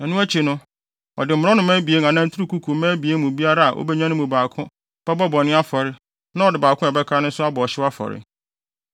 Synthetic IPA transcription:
nũ˦æ˦t͡ɕʰi˨nʊ̃˦ | ɔ̰˨dɪ˨m̩˨ʊ̃˨ɾɔ˦nʊ̃˨mæ̃˦bi˨e˦ŋ˨ã˨nã˦n̩˦tʰu˦ɾu˦kʰu˦kʰu˨˦mæ̃ː˦bi˨e˦mũ˨bi˦a˦ɾa˦a˨ʔo̰˦bɛ˦ɲã˦nʊ̃˦mũ˨baː˨kʰʊ̃˦ | b̥ɛ˦bɔ˦bɔ˨nɪ̃˦a˦fɔ˨ɾɪ˦ | nã˦ɔ˨dɪ˨baː˨kʰʊ̃˦ɛ˨bɛ˦kʰɾa˦nʊ̃˦sʊ˦a˦bɔ˨ɔ˨ɕɪ˦wa˦fɔ̰˨ɾɪ̰˨

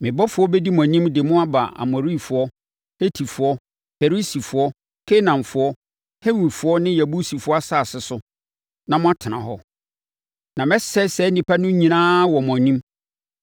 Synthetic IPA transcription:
mɪ̃˨bɔ˦fʊ˨˦ɔ˦bɛ˦di˦m˨ɔ̃˨nĩ˦mdɪ˨mʊ̃˦a˦ba̰˨ʔa̰˨mɔ˨ɾi˦˨fʊ˨ɔ˦ | he˦tʰi˨fʊ˨ɔ˦ | fe˨ɾi˦si˨fʊ˨ɔ˦ | kʰe˦nã˨mfʊ˦ɔ˦ | he˦wu˨fʊ˦ɔ˦nɪ̃˦jæ˨bu˦si˨fʊ˨˦ɔ˦a˦saː˦˨sɪ˨sʊ˦ | nã˨mʊ̃˦a˦tʰɪ˨nã˨ɦɔ˦ | nã˨mɛ˦sɛ˦sɛ˨˦nĩ˨pʰa˦nʊ̃˦ɲĩ˨nãː˦wɔ˨m˨ɔ̃˨nĩ˦m

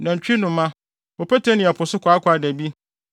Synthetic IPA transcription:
nã˨ɲ̩˨t͡ɕᶣi˦nʊ̃˨˦ã˦ | ɔ˨pʰæ˦tʰɛ˦nɪ̃˨ɛ˨pʰʊ˨sʊ˦kʰʷɔ˨a˦kʰʷʊ˨˦a˨dæ˨bi˦

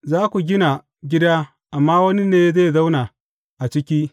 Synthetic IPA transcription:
zaː˦kʷu˨ɡʲɪ˦na˨ | ɡʲɪ˦da˦ | ʔa˨mːaː˦wɐ˦ni˦neː˦ze˦˨za˦wna˨ | ʔa˨t͡ʃɪ˦kʲiː˦

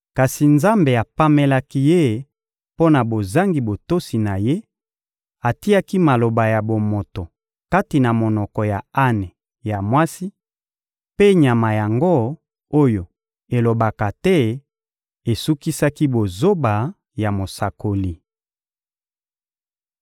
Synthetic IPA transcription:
ka˨si˨nza˦mbe˨a˨pa˦me˦la˦ki˦je˦ | po˦na˨bo˨za˦ŋɡi˨bo˨to˦si˨na˨je˦ | a˨ti˦a˦ki˦ma˨lo˨ba˨ja˨bo˨mo˨to˨ | ka˦ti˨na˨mo˨nɔ˨kɔ˨ja˨a˦nɛ˨ | ja˨mwa˦si˦ | pe˦ɲa˨ma˨ja˨ŋɡo˦ | o˦jo˨ | e˨lo˨ba˨ka˨tɛ˦ | e˨su˦ki˦sa˦ki˦bo˨zo˦ba˨ | ja˨mo˨sa˨ko˨li˨

